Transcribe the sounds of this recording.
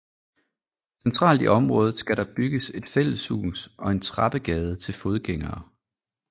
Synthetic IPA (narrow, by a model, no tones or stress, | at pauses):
sent͡sʰʁɑ̰̈ːld̥iʔɒ̽mʁɔ̽ːð̩ˠsɡ̥æɾɒb̥yɡ̥əse̝d̥fel̰əshṵːnsɒ̽e̝nt͡sʰʁɑ̈b̥əɡ̥ɛːð̞ˠət͡sʰe̝lfo̝ð̞ˠɡ̥eŋ̰ɐː